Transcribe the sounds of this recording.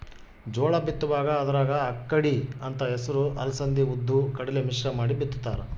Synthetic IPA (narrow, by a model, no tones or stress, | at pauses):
d͡ʒɔːɭɐbit̪ːuʋaːɡɐːd̪ɐɾaːɡɐːkːɐɽiɐnt̪ɐɛsɐɾuʔɐ̰lɐsɐnd̪iud̪ʱːukɐɽɐlemiʃɾɐmaːɽibit̪ːu̥t̪ːaːɾɐ